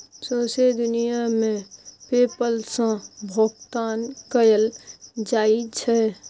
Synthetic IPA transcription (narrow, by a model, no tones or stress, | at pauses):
soːsed̪ʊnijamẽpeːpəlsə̃bʱoːɡ̚t̪aːnkəjəld͡ʒaːid͡ʒʰɛː